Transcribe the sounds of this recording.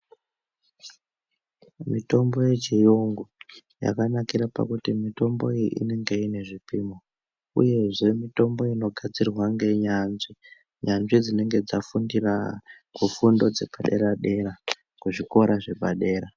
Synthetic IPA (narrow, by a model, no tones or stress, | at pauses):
mito̞mbo̞je̞t͡ʃijuŋɡu | ja̰kanakiɾapa̰kutimito̞mbo̞iḭʔḭne̞ŋɡe̞ine̞ʐipimo | ṵje̞ʐe̞mito̞mbo̞ino̞ɡʱad͡zirwaŋɡe̞ɲanʐi | ɲanʐid͡zine̞ŋɡe̞d͡zafundira | kufundo̞d͡zepaɗe̞̰ɾaɗe̞ɾa | kuʐiko̞ɾaʐepaɗe̞ːra